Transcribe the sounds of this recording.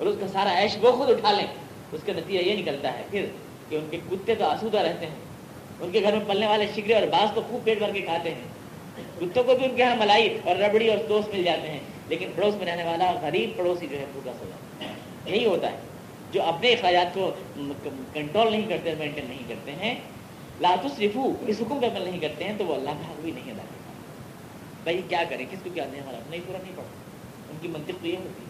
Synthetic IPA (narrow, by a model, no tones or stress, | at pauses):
ɔːɾʊskasaːɾaɛːʃboxʊd̪ʊʈʰaːlẽː | ʊskanɐt̪iːd͡ʒajenɪkəlt̪aɦɛ̰pʰɪɾ | keʊnkekʊt̪ːet̪oɐsuːd̪aɾɛɦt̪eɦɛ̃ː | ʊnkeɡʱɐɾmẽpɐlneʋaːleʃɪkɾeɔːɾbaːzt̪oxuːb̚peːʈbʱɐɾkekʰaːt̪eɦɛ̃ː | kʊt̪ːõkobʱiʊnkeɦãmɐlaːiɔːɾːɐbɽiɔːɾt̪oːst̪mɪld͡ʒaːt̪eɦɛ̃ | leːkɪnpɐɽoːsmẽɾɛɦneʋaːlaɣɐɾiːb̚pɐɽoːsid͡ʒoːɦɛbʱuːkaso̰ːd͡ʒa̰ | jɐɦiɦoːt̪a̰ɦɛ̰ː | d͡ʒoːʔɐpneɪxɾaːd͡ʒaːt̪̚ko | kɐ̃ɳʈɾoːlnɐɦĩkɐɾt̪eɔːɾmẽːɳʈẽːɖːɐɦĩkɐɾt̪eɦɛ̃ | laːt̪ʊsɾɪfuɪsɦʊkmpeɐmlnɐɦĩkɐɾt̪eɦɛ̃t̪oʋoɐlːaɦkaɦkobʱinɐɦĩɐd̪a̰ːkɐ̰ɾt̪a̰ː | bʱɐikjaːkɐɾẽːkɪskokjaːt̪ːɦɐmaːɾatnaɦisuːɾəɐt̪nɐɦĩpɐɽt̪a | ʊnkimɐ̃nt̪ɪqt̪ojeɦoːt̪i